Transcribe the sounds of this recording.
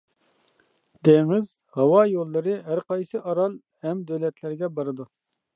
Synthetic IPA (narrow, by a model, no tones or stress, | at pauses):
d̪̥eŋɪz | hɑwɑjolˠːɨɾɨɦæɾqɑjsɨʔɑɾɑlˠ | hɛmd̪øwlɛt̪ʰlɪɾɡʲɛbɑɾɨd̪u